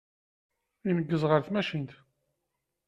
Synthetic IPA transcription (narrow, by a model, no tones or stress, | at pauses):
inəɡːəzʁəɾθmæʃint̪